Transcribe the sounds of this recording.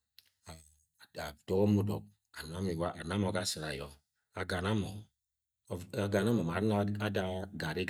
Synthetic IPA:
a˨ | a˨dɔ˦kɔ˦mu˦dɔ˨k̚ | a˨na˦mi˨wa˦ʔa˨na˦mɔ˨ɡa˦˨si˨ɾa˨jɔ˨ | a˨ɡa˨na˦mɔ˨ | ɡa˨na˦mɔ˨ma˨˦a˦a˦da˦ɡa˨ɾi˦ɡ

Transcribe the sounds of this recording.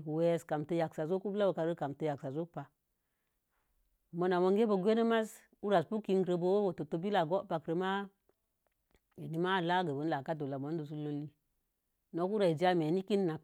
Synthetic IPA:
kwe˦ska˨mtə˦ja˨ksa˨zo˦ku˦bla˦wo˨ka˨ɾə˦ka˨mtə˨ja˨ksa˨zo˦kpa˨ | mo˨na˨mo˦ŋɡe˦bo˨ɡʷe˦nə˦ma˦s | u˦ɾa˨spu˦ki˦ŋɡɾə˦˨bo˦wo˦wo˨to˨to˦bi˦la˨ɡo˦pa˨kɾə˨ma˦ | e˨ni˨˦ma˦˨la˦ɡə˨bə˨˦nla˨ka˦do˨la˨mo˨˦n˦do˨s̬u˦lo˦lːi˦ | no˨ku˦ɾa˨i˨d͡ʒa˦me˨ni˦ki˦nː˦a˨k

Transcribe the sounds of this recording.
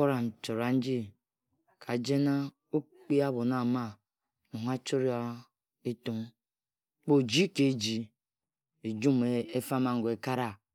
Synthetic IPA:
o˦ɾa˨n̩˨t͡ʃo˨ɾa˨n̩˦d͡ʒi˦ | kʰa˨d͡ʒe˦na˦ | o˦k͡pi˦a˦bo˨na˨ma˦ | nu˨ŋa˦t͡ʃo˦ɾi˦a˦ | e˦tu˨ŋ | k͡po˨d͡ʒi˦ke˨d͡ʒi˨ | e˨d͡ʒu˦me˨e˦fa˦ma˨ŋ̩˨ɡe˨ka˦ɾa˦

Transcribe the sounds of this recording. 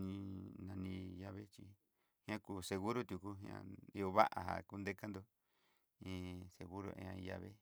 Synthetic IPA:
nĩ˧nã˧nĩ˧ja˧βe˦t͡ʃi˧ | hĩ˦ã˦ku˧se˧ɣu˦ɾo˦t̪ju˨ku˧ɦã̰˧i˧o˧βa̰˦ʔa˨ɦa̰˨ku˧nd̪e˦ka˦nd̪o˧ | ĩ˧˦se˨ɣu˦ɾo̰˧ḛ̃˧ã˧ĩ˧ja̰˧βe˦

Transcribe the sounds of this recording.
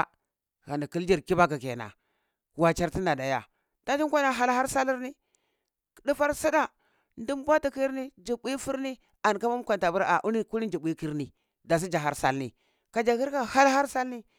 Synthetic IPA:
ɣa˨ni˨ki˦ld͡ʒi˦ɾki˦ba˦k̬a˨ke˨na̰˨ | wa˨t͡ʃa˨ɾti˦na˨da˨ja̰˨ | d̥a˦t͡ʃi˦ŋ˦kʷa˦na˨ɦa˦lha˦ɾsa˦li˦ɾni˦˨ | di˦fa˦ɾsa˦da˦ | ndi˦mbʷa˦ti˨ki˦ɾni˦d͡ʒi˨bi˦fu˦ɾni˦ | a˨n˨ka˦ma˦kʷa˨nta˨bu˦ɾa˨ʔu˦ni˦ku˦ni˦d͡ʒi˨bʷi˦ki˦ɾni˨ | da˨s̬i˦d͡ʒa˨ɦa˦ɾsa̰˦lnḭ˨ | ka˨d͡ʒa˨ki˦ɾka˦ha˦lha˦ɾsa˦lni˦

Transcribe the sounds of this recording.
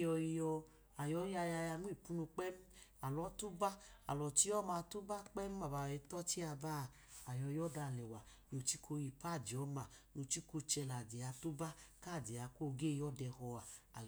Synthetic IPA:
jɔ˧i˧jɔ˧ | a˨jɔ˧˦ja˧ja˧ja˧nu˦i˦˨pu˦nu˧k͡pɛ˦m˦ | a˨lɔ˨˦tu˦ba˦a̰˨lɔ˨t͡ʃi˦ɔ˦ma˧tu˦ba˦k͡pɛ˦m˦a˨ba˨ɛ˧tɔ˦t͡ʃi˦a˧ba˦˨ | a˨jɔ˧jɔ˦da˧˨lɛ˨wa˨ | jo˨t͡ʃi˦kʰo˧ji˧pa˦˨d͡ʒi˨ɔ˨˦ma˨no˧t͡ʃi˦ko˧t͡ʃɛ˧la˨di˨a˨˧tu˦ba˦ka˦˨di˨a˨˧ko˦ɡe˦˨jɔ˦dɛ˧hɔ˧a˨

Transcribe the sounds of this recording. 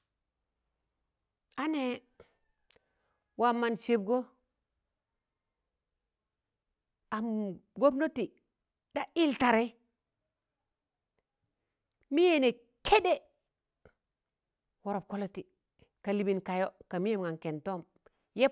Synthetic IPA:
a˦ne˨ | wa˨ma˨nse˨b̚ɡo˦ | a˨mɡo˦bno˦ti˨ | da˦i˦lta˨ɾe˦ | mi˦je˨ne˨ | kʰe˦de˦ | wo˨ɾo˨p̚ko˦lo˦ti˨ | ka˨li˨bi˨nka˨jo˦ka˨mi˦e˦mŋa˨nke˨nto˦˨m | je˦

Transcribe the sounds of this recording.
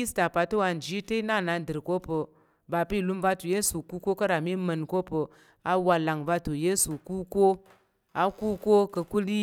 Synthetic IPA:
i˦sta˨pa˨tə˦wa˧n˨d͡ʒi˦tə˦i˦na˦˨na˨dɨ˨ɾko˦pə˨ | ba˨pi˦˨lu˦mva˧tu˨je˦su˨ku˦ko˦kə˦ɾa˨mi˦mə˧nko˦pə˨ | a˦wa˧la˨ŋva˧tu˨je˦su˨ku˦ko˦ | a˦ku˦ko˦kə˧ku˦li˦

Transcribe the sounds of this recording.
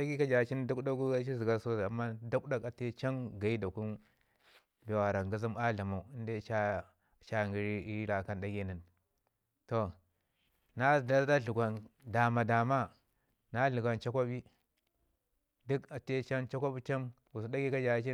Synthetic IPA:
a˦ɡi˦ka˦d͡ʒa˨˦t͡ʃi˦n˦du˦kda˦ɡu˦a˦t͡ʃi˦zi˨ɡa˦so˦za˨mːa˦da˦kda˦ka˨te˦t͡ʃa˦nɡa˨i˦da˨ku˦n | be˨wa˨ɾa˨ŋɡi˦zi˦ma˦ɮa˨ma˨u˨i˦nde˦t͡ʃa˦ | t͡ʃa˦˨ŋɡi˦ɾi˦ɾi˦la˨ka˦nda˦ɡe˦˨ni˨n | to˨ | na˦˨da˦da˦ɮu˨ɡʷa˨nda˨ma˨da˨ma˦ | na˦ɮu˨ɡa˨nt͡ʃa˦kʷa˦bi˦ | du˦ka˨te˦t͡ʃa˦nt͡ʃa˦kʷa˦bi˦t͡ʃa˦n | ɡu˨su˨da˦ɡi˦ka˦d͡ʒa˨˦t͡ʃi˦

